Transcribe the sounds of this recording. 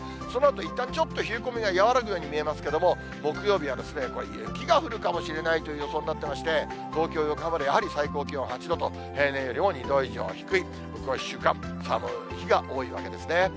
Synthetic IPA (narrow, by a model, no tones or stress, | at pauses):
so̞noat̪o̞it̪ːãɲ̟t͡ɕo̞t̪ːo̞çɨɯ̟ko̞mʲiɡajaβaɾak̬ɯ̟jo̞ːɲ̟imʲie̞masɨ̥ke̞d̪o̞mo̞ | mo̞kɯ̟jo̞ːbʲiβ̞ad̪e̞sɨne̞ko̞ɾe | kʲiɡaɸɯ̟ɾɯ̟kamo̞ɕiɾe̞nait̪ojɯ̟jo̞so̞ːnʲinat̪ːe̞maɕi̥t̪e̞ | t̪o̞ːkʲo̞ːjokabaɾɯjahaɾʲisaiko̞ːkʲiõhat͡ɕid̪o̞t̪o̞ | he̞ːnẽ̞ɰ̃jo̞ɾʲimo̞ɲ̟id̪o̞ːiʑiõ̰çi̥kɯ̟i | bokɯ̟aiɕːɨːkã̰m | sa̰mɯ̰ | çiɡaʔo̞ːiβa̰ke̞d̪e̞sɨne̞